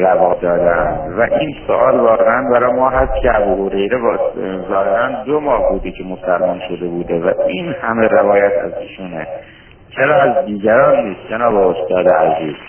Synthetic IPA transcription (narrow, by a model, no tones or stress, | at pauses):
ɾæbɒːd̪ɒːd̪æ̰nd̪væʔiːnso̰ʔɒːlbɒːɾeænbæɾɒːjmɒːɦæst̪cʰeæbuːhoɾe̞jɾebzɒːhe̞ɾænd̪omɒːhbuːd̪ecʰe̞mosælmonʃod̪e̞buːd̪evæiːnhæme̞ɾevɒːjæt̪ʰæ̰ziːʃunḛ | t͡ʃʰeɾɒːæzd̪iːɟæɾɒːnːiːst̪̚d͡ʒenɒːbeost̪ɒːd̪eæziːz